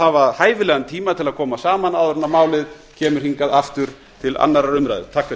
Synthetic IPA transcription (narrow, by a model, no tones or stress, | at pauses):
avaðhaːjvɪlɛɣant̪ʰiːmat̪ʰɪlaðkʰɔːmasaːmanawðɾɛnːamaːwlɪð | cʰɛːmʏɾ̥hiŋkaðaft̪ʏɾ̥ | t̪ʰɪla̰nːaɾaɾʏmɾa̰jðɪ̰t̪ʰaːkvɛ